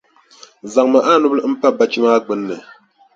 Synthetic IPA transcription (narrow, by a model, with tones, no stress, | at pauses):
za˨ŋmə˨ʔa˦nu˦blm̩˦pa˦˨ba˦t͡ʃi˦ma˦k͡pə˦nːə˨